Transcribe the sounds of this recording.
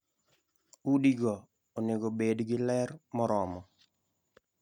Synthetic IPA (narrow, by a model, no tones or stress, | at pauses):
udiɡɔ | onɪɡobedɡɪlɛrmɔɾɔmɔ